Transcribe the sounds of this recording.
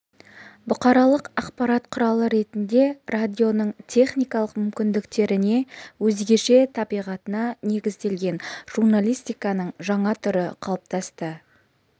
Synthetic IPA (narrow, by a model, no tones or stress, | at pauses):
bʊqɑɾɑlˠəqɑqpɑɾɑt̪qʰʊɾɑlˠəɾe̞t̪ɪnd̪e̞rad̪ʲio̞nəɴt̪ʲʰe̞χnijkɑlˠəqmʏmkʲɪnd̪ɪkt̪e̞ɾɪne̞wɵzɡʲe̞ʃe̞t̪ʰɑbijʁɑt̪ənɑne̞ɡʲɪzd̪e̞lɡʲe̞nʒ̥urnalʲijst̪ijkɑnəɴʒɑɴɑt̪ʰʏɾɪ̰qʰɑlˠəp̚t̪ʰɑst̪ə